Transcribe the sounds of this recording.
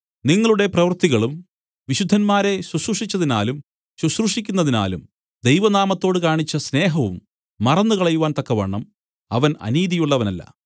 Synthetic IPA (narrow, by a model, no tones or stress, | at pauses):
niŋːɐɭuɽe̞prɐʋɐrt̪iɣɐɭum | ʋiɕud̪ʱːɐnmaːɾe̞ɕwusruʂit͡ɕːɐðina̰ːlum | ɕusruʂikʲːunːɐðina̰ːlum | d̪ejʋɐnaːmɐt̪ːo̞ːɽɨkaːɳit͡ɕːɐsne̞ːɦɐʋumː | ɐrɐnːukɐɭɐjuʋaːnt̪ɐkːɐʋɐ̰ɳːɐm | ɐʋɐnɐ̰niːðijuɭːɐʋɐnɐlːɐ̰